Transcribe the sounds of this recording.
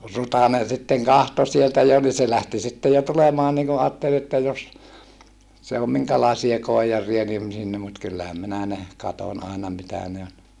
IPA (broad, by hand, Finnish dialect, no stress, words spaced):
rutɑnen̞ sitːeŋ kɑhto sieltæ jo ni se læhti sitːe jo tulemɑːn niŋ ku ɑːtːel etːæ jos se om miŋkælɑˑesiɑ koijɑrˑiɑ nim sinːe mut kylːæhæm minæ ne kɑtonʲ ɑˑenɑ mitæ ne on